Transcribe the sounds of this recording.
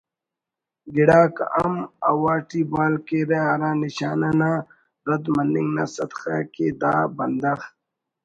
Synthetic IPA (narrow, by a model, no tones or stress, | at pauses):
ɡiɽaːkɐ̰mɐwaːʈibaːlkeɾeɐɾãːniɕaːnana | ɾɐd̪mɐnːiŋɡna̰ːsɐt̪xa̰ːked̪aːbɐnd̪ɐx